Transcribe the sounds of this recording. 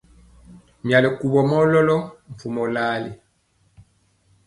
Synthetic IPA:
mja˨lɛ˨ku˨βɔ˨mɔ˦lɔ˦lɔ˦ɱ̩˨fu˨mɔ˨la˦lḭ˨

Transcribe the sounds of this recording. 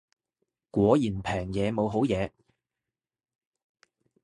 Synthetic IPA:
kʷwɔː˨˧˥jiː˨˩npʰɛː˨˩ŋjɛː˨˧mo˨˧wɦo˨˥wjɛː˨˧

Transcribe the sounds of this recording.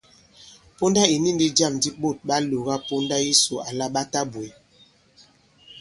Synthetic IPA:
po˦nda˦i˨ni˦˨ndi˦da˦˨mdi˦ɓo˦˨t̚ɓa˦lo˨ɣa˦po˦nda˦ji˦so˨a˨la˦ɓa˦ta˦bwe˨

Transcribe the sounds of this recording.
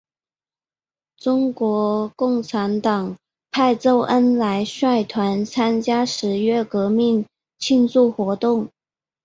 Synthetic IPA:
ʈ͡ʂʊ˥ŋkwɔ˧˥kʊ˥˩ŋʈ͡ʂʰa˧˥nt̪ɑ˨˩ŋ | pʰa˥˧ɪt͡so˥˩ʊʔə˥nla˧˥ɪʂwa˥˩ɪt̪ʰwa˧˥nt͡sʰa˥nt͡ɕja˥ʂɻ̩˧˥ɥɛ˥kɤ˧˥mi˥˩ŋ | t͡ɕʰi˥˧nsu˥˩xwɔ˧˥t̪ʊ˥˩ŋ

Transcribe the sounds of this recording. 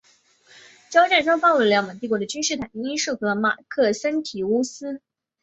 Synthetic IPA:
ʈ͡ʂjɑ˥ʊʈ͡ʂa˥˩nʈ͡ʂɑ˥pɑ˥˧ʊlu˥˩ljɑ˧˥ma˨˩t̪i˥˩kwɔ˧˥d̪ə˨˩t͡ɕy˥nʂɻ̩˥˩t̪ʰa˨˩˦ŋi˥nʂu˥˩xɤ˧˥ma̰˨˩kʰɤ˥˩sə˥nt̪ʰi˨˥u˥sɹ̩˥

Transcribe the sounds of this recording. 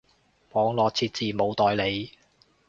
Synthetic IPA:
mɔː˨˧ŋlɔː˨k̚t͡sʰiː˧t̚t͡siː˨mo˨˧wt̪ɔː˨˧jle˨˧j

